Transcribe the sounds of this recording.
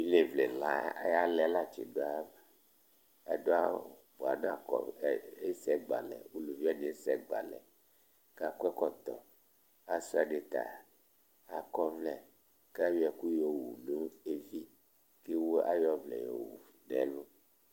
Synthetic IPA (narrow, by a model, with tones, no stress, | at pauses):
wi˦le˨vle˨la˦ja˦lɛ˨˦la˦t͡ʃḛ˨do˦a˦ba˨ | a̰˨do˦a˦˨bo˨a̰˨nã˦a˨kɔ̰˨e˦sɛ˦ɡ͡ba̰˨lɛ̰˨wo˦lu˨vi˦a˦ɲẽ˨˦sɛ˦ɡ͡ba̰˨lɛ̰˨ | ka˦˨kɛ˦kɔ˦t̪ɔ˨ | a˨su˦a˨ɖe˨t̪a̰˨ | a˨kɔ˦vlɛ˨ | ka˦wi˦ɛ˨ku˦jo˦wu˨no˦e˦vi˦ | ke˦wo˦a̰˦jɔ˦vlɛ̰˨jo̰˨wṵ˨ | nɛ̰̃˨˦lo˦